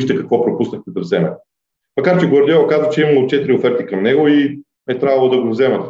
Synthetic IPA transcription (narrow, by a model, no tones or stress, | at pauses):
ʃt̪ɛkɐkvɔpɾopusnəxkot̪ɛvzɛmɛt | mɐkaɾt͡ʃɛɡoɾd̪ʲɛkazvət͡ʃɛiməlˠot͡ʃɛt̪iɾiofɛɾt̪ikɐmnɛɡʊi | ɛt̪ɾʲavɐlˠod̪ɐɡovzɛmɐt̪